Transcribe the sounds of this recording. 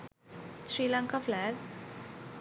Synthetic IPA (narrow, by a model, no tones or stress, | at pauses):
ʃɾiːlãŋkaflæɡ